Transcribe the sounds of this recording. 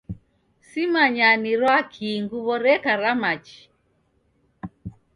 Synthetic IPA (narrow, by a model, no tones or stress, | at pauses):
simaɲaniɾwakʰiŋɡuβɔɾɛkaɾamat͡ʃi̥